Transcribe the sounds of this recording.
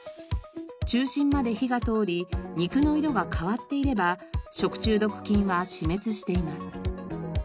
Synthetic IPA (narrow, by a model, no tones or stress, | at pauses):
t͡ɕɨːɕĩmmːad̪e̞çiɡat̪o̞ːɾʲiɲ̟ikɯ̟no̞iɾo̞ɡakʰaβat̪ːe̞iɾe̞baɕo̞kɯ̟̥t͡ɕɨːd̪o̞kɯ̟̥kʲĩɰ̃βaɕime̞t͡sɨɕi̥t̪e̞imasɨ̥